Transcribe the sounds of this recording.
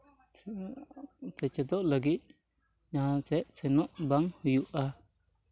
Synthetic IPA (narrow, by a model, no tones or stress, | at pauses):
sɛt͡ʃɛd̪ɔʔləɡit̪̚ | ɲaɦãsɛʔsɛnɔʔbaŋhujuʔa